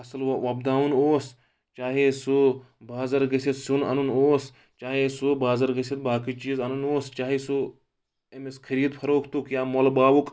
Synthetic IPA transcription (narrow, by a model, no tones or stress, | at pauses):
ɐsɐlʋɐb̚d̪aːunoːs | t͡ʃaːɦesu | baːzɐɾɡɐsit̪sunɐ̰nunoːs | t͡ʃaːɦesubaːzɐɾɡɐsit̪̚baːkit͡ʃiːzɐnunoːst͡ʃaːɦisu | emeskʰɐɾiːd̪pʰɐɾoːkʰt̪ukjaːmolbaːʋuk